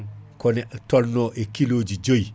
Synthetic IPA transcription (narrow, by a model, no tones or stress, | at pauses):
kɔnetɔlːoːʔekiloːd͡ʒid͡ʒoj